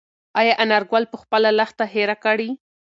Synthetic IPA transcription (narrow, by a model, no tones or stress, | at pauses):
ajɑʔanaɾɡwalpəxpəlalaxt̪aɦeɾakaɽi